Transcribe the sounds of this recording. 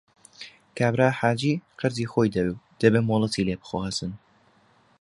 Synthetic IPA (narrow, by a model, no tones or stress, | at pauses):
kaːbɾaːħaːd͡ʒiːqɨɾziːxojd̪ɐɾu | d̪̥ɐbemolˠɐt̪ʰiːleːbɨ̥xoːhɐt̪ɨn